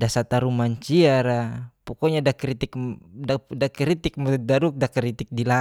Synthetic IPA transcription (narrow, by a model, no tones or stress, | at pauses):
dasat̪aɾumaɲt͡ʃiaɾapɔkɔɲadakɾit̪ikadakɾit̪ik̚mɔdaɾuk̚dakɾit̪ik̚dila